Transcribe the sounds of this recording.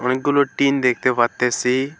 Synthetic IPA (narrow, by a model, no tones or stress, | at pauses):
ʊñeɡʊloʈiːnd̪eːk̚ʰt̪eʋɐt̪ːesi